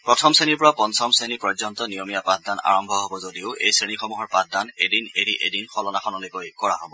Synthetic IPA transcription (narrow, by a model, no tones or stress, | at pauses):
pɹɔtʰɔmseniɹpɔɹapɔnsɔmsenipɔzɔntɔnijɔmijapat̚dana̰ɹɔmbʱɔɦɔbɔzodiʊʔḛjsɹenixɔmuɦɔɹpat̚danedineɾiʔḛdinxɔlɔnakʰɔnɔlekojkɔɹa̰ɦɔbɔ